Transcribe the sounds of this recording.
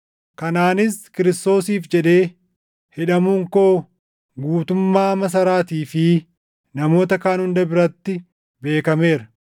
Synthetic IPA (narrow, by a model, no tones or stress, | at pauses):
kɐnaːnɪskɪɾɪst̪o̞ːsiːfd͡ʒɛᶑe̞ː | hɛᶑɐmuːŋko̞ː | ɡuːt̪ʊmːaːmɐs̬ɐɾaːt̪iːfɪ | nɐmo̞ːt̪ɐkaːnhʊnd̪ɐbɪɾɐt̪ːɪ | be̞ːkɐme̞ːɾɐ